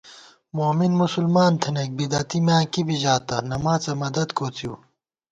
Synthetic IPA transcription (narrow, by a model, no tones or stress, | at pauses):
moːminmusulmaːnt̪ʰɐnek̚bid̪ɐt̪imjãːkibiʑaːt̪ɐnɐmaːt͡sɐmɐd̪ɐd̪koːt͡siu